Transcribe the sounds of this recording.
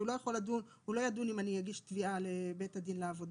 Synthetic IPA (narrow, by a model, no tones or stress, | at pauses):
ulo̞jaχo̞ladun | hulo̞jad̪unimanijaɡiʃtvialebe̞tad̪inleavo̞d̪